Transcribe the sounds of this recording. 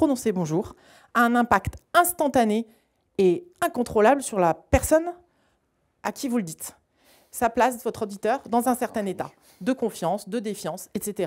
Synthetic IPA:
pχonɔ̃sebɔ̃ʒuːʁ | aɛ̃nɛ̃pakt̪ɛ̃st̪ɑ̃t̪ane | eɛ̃kɔ̃t̪χolablsyʁlapɛʁsɔn | akʲivuləd̪it̪ | saplasd̪əvɔt̪χod̪it̪œʁd̪ɑ̃zɛ̃sɛʁt̪ɛ̃net̪a̰ | d̪əkɔ̃fjɑ̃sd̪əd̪efjɑ̃sɛt̪set̪eʁa

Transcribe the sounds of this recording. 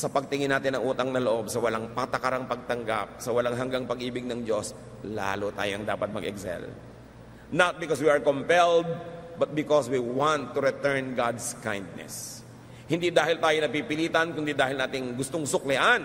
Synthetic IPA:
sɐpɐɡ̚t̪ɪŋɪnaːt̪ɪnɐŋʔuːt̪ɐŋnɐloʔo̞bsɐwɐlaŋpɐt̪ɐkɐɾaŋpɐɡ̚t̪ɐŋɡa̰p̚sɐwɐlaŋɦɐŋɡaŋpɐɡʔiːbɪɡ̚nɐŋd͡ʒo̞s | la̰ːlʊt̪a̰ːjoʔɐŋd̪a̰ːpɐt̪̚mɐ̰ɡɛ̰ksɛ̰l | nɐt̪̚bɪkoswiɐɹkompɛld̪̚bɐt̪̚bɪkoswiwant̪ːuɾɪt̪ɛɹnɡad̪skajnd̪̚nɛ̰s | hɪnd̪id̪aːhɪlt̪aːjonɐpiːpɪliːt̪ɐnkʊnd̪id̪aːhɪlnaːt̪ɪŋɡʊst̪oŋsʊklɪʔan

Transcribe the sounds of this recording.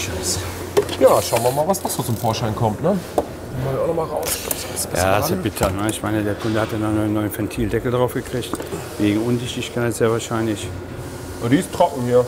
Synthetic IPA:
ʃøs | jaːʃaʊənvɐmaːlvasd̥az̥oːt͡sʊmfoːɐʃaɪnkʰɔmtnə | kɔmaiaʊnɔmaːlʁaʊsʃlɔpsbɪ̥ja̰ːobɪtʰənəɪçmaɪnədeːɐkʰʊndəhatjananɔnːɔʏənfɛntʰiːldɛkl̩dʁaʊfɡ̥əkʁ̥ɪçt | veːɡŋ̩ʔʊndɪçtɪçkʰaɪtz̥eːɐvaːɐʃaɪnlɪç | ʔadiɪstʁ̥ɔkŋ̩hiːɐ

